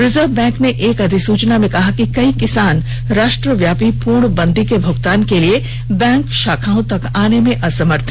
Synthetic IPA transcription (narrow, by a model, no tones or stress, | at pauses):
ɾɪzəɾʋbɛ̃ːŋkneʔeːkɐd̪ʱisuːt͡ʃnamẽkɐɦakikɐikɪsaːn | ɾaːʃʈɾəʋjaːpipuːɾɳbɐ̃nd̪ʱikebʱʊɡt̪aːnkelie | bɛ̃ːŋkʃaːkʰãːõt̪ɐkaːnemẽʔɐsɐməɾt̪ʰ